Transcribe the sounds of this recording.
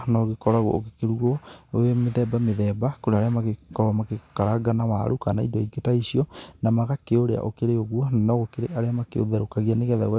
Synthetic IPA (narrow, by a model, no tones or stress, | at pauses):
nɔɣekɔɾaɣwɔ̰oɣekeɾuɣɔoemeðɛbameðɛːbakoɾeaɾeamakekɔɾamakekaɾaɡanawa̰ɾʔukanaḭdɔiɡetaiʃiɔnamaɣakeoɾea̰ʔokeɾeoɣwɔnanɔɣokeɾeʔaɾeamakeo̰ðɛɾokaɣianeɣɛða̰wɛ